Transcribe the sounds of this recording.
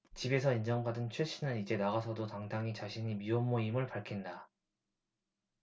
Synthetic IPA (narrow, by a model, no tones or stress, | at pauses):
t͡ɕibe̞sʰʌind͡ʑʌŋbadɯnt͡ɕʰweɕ͈ʰinɯnid͡ʑe̞naɣasʰʌdotaŋdaŋit͡ɕaɕʰiɲimiomːoimɯɭpaɭkʰinda